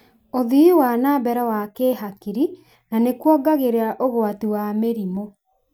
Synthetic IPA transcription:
oðiiwanaːbɛɾɛwakeːɦakiɾi | nanekwɔɡaɣeɾeaʔoɣwatiwameɾimo

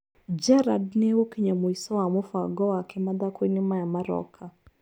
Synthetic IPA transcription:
d͡ʒɛɾadnewokiɲamoisɔwamofwaɡɔwakʰɛmad̪akoinɪmajamaɾɔ̰kʰa

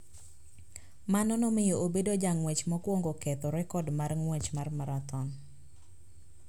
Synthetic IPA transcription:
manɔnɔmɪjoobedod͡ʒaŋwɛt͡ʃmɔkwoŋɡokɛt̪ɔɾɛkɔdmarŋwɛt͡ʃmarmaɾat̪ɔn

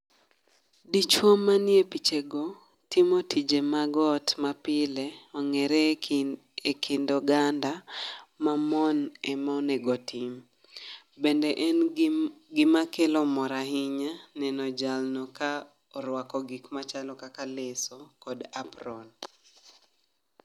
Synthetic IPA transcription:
dit͡ʃwɔmːanjepit͡ʃeɡɔ | timotʰid͡ʒemaɡɔtmapɪleɔŋɛɾɛ | ekʰɪndɔɡandamamɔnɛmaɔnɛɡɔtim | bendɛʔɛnɡɪmakelɔmɔɾaɦɪɲanɛnɔd͡ʒalnɔka | ɔɾwakɔɡikmat͡ʃalɔkakalesɔkɔdaprɔn

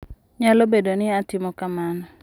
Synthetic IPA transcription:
ɲalobedonɪatɪmɔkamanɔ

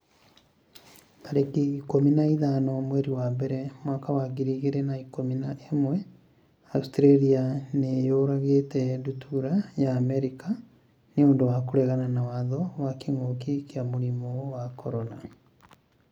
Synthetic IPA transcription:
kaɾekiːkominaiðanɔmwɛɾiwambɛɾɛmwakawaɣiɾiɣeɾɛnaikominaemwɛ | austɾeɾianejoɾaɣeːtɛdutʰuɾajaːmɛɾika | neoːndowakoɾɛɣananawaðɔwakiŋokikiamoɾimɔwakɔɾɔna

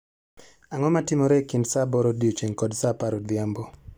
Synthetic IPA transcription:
aŋɔmatɪmɔɾekindsabɔɾodiot͡ʃeŋkɔdsapaɾod̪jambo

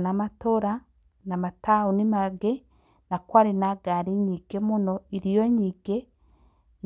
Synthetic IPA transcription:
namatoɾa | namataunimaɡe | nakwaɾinaɡaɾiɲiɡemunoiɾijoɲiɡe | n

